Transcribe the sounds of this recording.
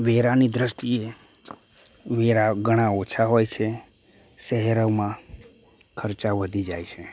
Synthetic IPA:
ʋeɾanid̪ɾəst̪ie | ʋeɾaɡəɽ̃ãot͡ʃʰaɦojt͡ʃʰe | ʃəɦɛɾəʋmã | kʰəɾt͡ʃaʋəd̪ʱid͡ʒajt͡ʃʰe

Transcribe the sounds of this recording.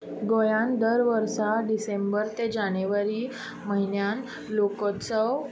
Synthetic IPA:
ɡojand̪əɾʋəɾsaɖisembəɾt̪ed͡ʑaneʋəɾiː | məɦinjan | lokət͡sə

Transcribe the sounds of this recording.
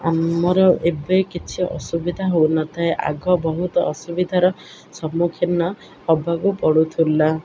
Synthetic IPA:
amɔɾɔʔebejkit͡ʃʰiʔɔ̰subid̪ʱaɦownɔt̪ʰaeʔa̰ɡɔbɔɦut̪ɔʔːsubid̪ʱaɾɔ | sɔmukʰinːɔ | ɔbʱaɡupɔɽut̪ʰulːa

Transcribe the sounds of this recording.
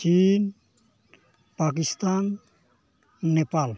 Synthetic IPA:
t͡ʃin | pak̬ist̪an | epal

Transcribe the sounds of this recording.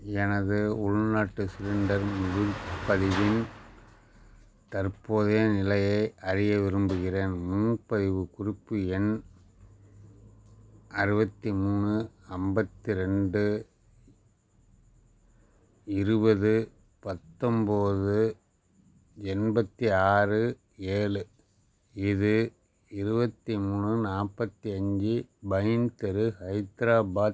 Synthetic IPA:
ɛnɐðɯʊɻnaːʈːɯsɪɾɪɳɖɐɾmʊðʊpːɐðɪʋɪn | t̪ɐɾpoːðɐjnɪlɐjɐɪʔɐɾɪjɐʋɪɾɯmbɯɣɪreːnmuːnpɐðɪʋɯkʊrɪpːɯɛn | ɐɾɯbɐt̪ːimuːnɯɐmbɐt̪ːiɾɛɳɖɯ | ɪɾɯbɐðɯ | pɐt̪ːɔmboːðɯ | ɛnbɐt̪ːiaːrɯ | eːlɯ | ɪðɯ | ɪɾɯbɐt̪ːimuːnɯnaːpːɐt̪ːiɐɲd͡ʒɯbɐjnt̪ɛɾɯhɐɪt̪ɾaːbaː

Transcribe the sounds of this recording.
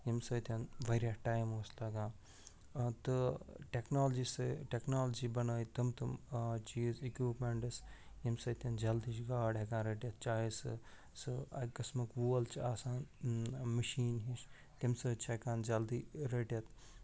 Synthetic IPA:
jimsɐt̪ʰʲɐnʋɐɾʲjaʈaːjmoːslɐɡãː | t̪ɨʈeknaːld͡ʒisɨʈeknaːld͡ʒiːbɐnɐːjit̪ɨmt̪ɨmt͡ʃiːzikuːpmeɳʈɐs | jimsɐt̪ʲʰɐnd͡ʒɐld̪iʃɡaːɖekãːnɾeʈʲjɐt̪̚t͡ʃaːisɨ̰ | sɨɐkɐsmɨkʋuːɐlt͡ʃʰaːsaːnməʃiːnɦiʃ | t̪imsəːt͡ʃʰekãːnd͡ʒɐld̪iːɾeʈjɐt̪

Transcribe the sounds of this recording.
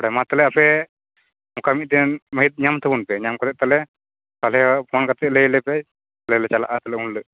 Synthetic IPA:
ɔɽamat̪alɛapɛ | mɔkamit̪̚d̪ɛməɦit̪̚ɲamt̪ʰəbunpɛɲamkat̪ɛʔ̚t̪alɛ | kalɛpʰɔnkat̪ɛʔləlɛpɛ | lɛlɛt͡ʃala̰ʔat̪alɛunlə

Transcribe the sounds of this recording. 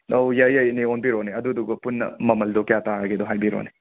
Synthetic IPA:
owjɐjɐjnionbiɾoneɐduduɡɐpunːɐ̰mɐmɐldɔkjataɾɐɡedoɦajbiɾo̰ne

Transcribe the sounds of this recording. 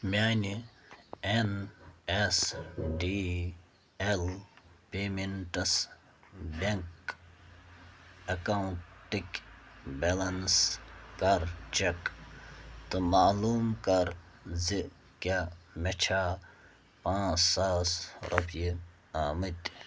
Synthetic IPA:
mʲaːni | enesɖi | elpeːmeɳʈɐs | beŋk | ɐkauɳʈʈːikʲbelɐnskɐɾt͡ʃek | t̪umaːluːmkɐɾ | zi | kʲaːmɐt͡ʃʰaː | pãːssaːsɾʔupji | aːmɨt̪ʲ

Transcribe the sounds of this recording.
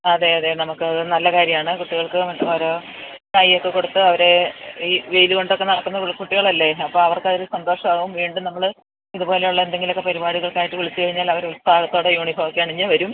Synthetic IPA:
ɐðe̞ɐðenɐmukːɨɐðɨnɐlːɐkaːɾjɐmaːɳɨkuʈːiɣɐɭkɨmɐt̪ːɐmɐɾoː | kaːjijokːe̞koɽut̪ːɨɐʋɐɾe̞iːʋejðuko̞ɳɖo̞kːe̞nɐɽɐk̪ːunːɐkuʈːiɣɐɭɐlːe̞ɐpːoːɐʋɐrkɐðɾusɐnd̪o̞ːʂɐmaːɣɐʋumʋiːɳɖumnɐmːɐɭ | iðubo̞ːle̞juɭːɐe̞nd̪e̞ŋɡilo̞kːe̞pɐɾibaːɽiɣɐɭkaːjiʈːɨʋuɭit͡ɕːɨkɐɻiɲːaːlɐʋɐɾuɭst̪aːɭɐt̪ːo̞ːɽejuːɳifoːkːaːɳiɲːɨʋɐɾum

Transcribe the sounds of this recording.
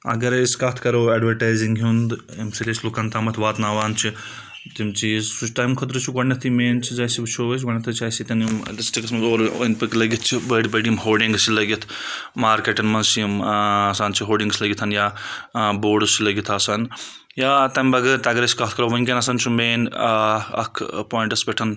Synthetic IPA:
ɐ̰ɡɐɾiskɐt̪ʰkɐɾoːeːɖʋɐɾʈaːjziŋɡɦund̪ | imsilet͡ʃʰlukant̪amɐt̪ʰʋaːt̪naːʋaːnt͡ʃʰi | t̪imt͡ʃissut͡ʃʈaːjmkʰɐt̪ɾɨt͡ʃʰiɡɐɳɐt̪ʰimeːnt͡ʃʰizaːjsibt͡ʃʰoːɐt͡ʃʰɡɐɳɐt̪ʰɐt͡ʃʰaːsit̪ɐnimɖisʈiksmɐzoːɾnpɨklɐɡit̪ʰt͡ʃʰibɐːɖbəɐɖimɦoːlɖiŋɡsilɐɡit̪ʰmaːɾkeʈɐnmɐnsimsant͡ʃʰiɦoːlɖiŋɡslɐɡit̪ʰɐnja | boːɖsilɐɡit̪ʰaːsɐn | jat̪ɐmʲbɐɡɐt̪aɡɾesi̥kɐɦt̪kʰɐɾɐʋɐnʲkenɐsɐnt͡ʃʰumeːn | ɐ̰kʰpoːjiɳʈɐsbeʈʰɐn

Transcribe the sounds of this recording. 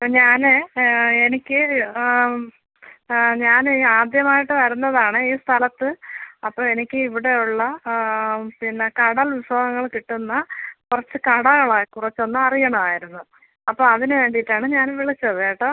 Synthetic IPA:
ɲaːneenikʲːɨ | ɲaːnaːd̪jɐmaːjiʈːɨʋɐɾunːɐðaːɳɨiːst̪ʰɐlɐt̪ːɨɐpːoːe̞nikʲːɨiʋiɽe̞juɭːɐ | pinːɐkɐɽɐlʋiswaːɡɐŋːɐɭkiʈːunːɐkurɐt͡ɕːɨkɐɽɐɣɐɭakurɐt͡ɕːo̞nːɨɐrijɐɳɐmaːjiɾunːu | ɐpːoːɐðinɨʋe̞ːɳɖijitːaːɳɨɲaːnʋiɭit͡ɕːuɐðeːjʈːɨ

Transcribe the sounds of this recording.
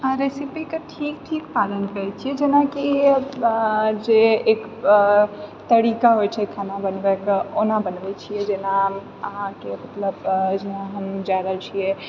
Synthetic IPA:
ɾesipikeʈʰik̚ʈʰikpalənkəɾɛt͡ʃʰijɛd͡ʒenaki | d͡ʒeek | t̪əɾikaɦojt͡ʃʰɛkʰanabənbekonabənbɛt͡ʃʰijɛd͡ʒena | əɦãkemət̪ləbd͡ʒenaɦəmd͡ʒaɾəlt͡ʃʰijɛ

